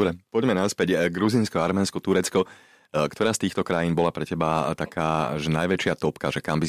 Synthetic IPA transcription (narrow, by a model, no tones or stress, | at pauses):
ɾɛpɔɟmɛnaspɛɟɡɾuzinskɔaɾmɛːnskɔt̪uɾɛt͡skɔ | kt̪ɔɾaːst̪iːxt̪ɔkɾajiːnbɔlapɾɛcɛbat̪akʰaːʒɛnajʋɛt͡ʃɪat̪ɔpkaʒɛkambi